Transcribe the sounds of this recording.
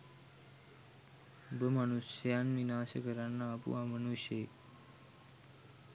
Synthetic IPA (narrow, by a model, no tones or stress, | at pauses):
bəmanusjaːnʋinaːɕəɡəɾanːaːpṵãːmənuɕe